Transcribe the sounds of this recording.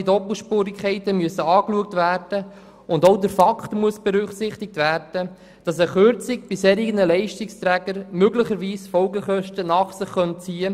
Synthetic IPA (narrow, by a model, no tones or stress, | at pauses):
idɔpl̩ˠʃpuːɾɪkχɛɪtəmyəsəɑːkluək̚tvæːrd̥ə | ʊndoʊdəɾfɑkʰtmuəsb̥ɛɾʏχsɪχtɪk̚tvæːrd̥ə | d̥ɑsɛχøɾt͡sɪb̥ɪshɛːɾɪɡənəlɛɪʃtɪkst̪ɾæːɡəɾmøɡləχəɾʋiːsfɔlɡəχœʃtənɑːχsɪχːœntt͡siːə